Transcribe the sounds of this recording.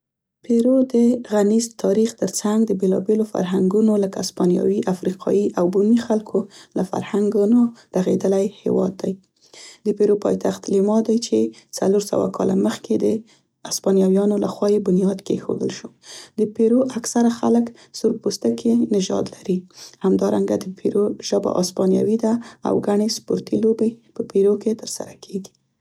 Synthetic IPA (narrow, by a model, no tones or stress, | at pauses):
peɾod̪əɣanizt̪ʰɑɾixt̪əɾt͡saŋɡd̪əbelɑ̰belofa̰ɾɦaŋɡunoləkaːspɑnjɑ̰wiʔafɾiqʰɑ̰jiʔawbunixalkʰolafa̰ɾhaŋɡunoɾaɣed̪əlajhḛwɑ̰d̪ːaj | d̪əpeɾopɑ̰jt̪ʰaxt̪limɑd̪ajt͡ʃet͡sa̰loɾsa̰wa̰kʰɑ̰laməxked̪ə | aspɑnjɑwjɑnolaxwɑjebʊnijɑd̪kexo̰d̪əlʃod̪əpeɾoʔaksaɾaxalək | sʊɾpust̪akʰenɪʒɑ̰d̪laɾihamd̪ɑɾaŋɡad̪əpʰeɾoʒ̥əba̰ʔɑspɑnja̰wid̪aa̰wɡaɳespoɾt̪ilobepəpeɾoket̪əɾsa̰ɾakʰeɡi̥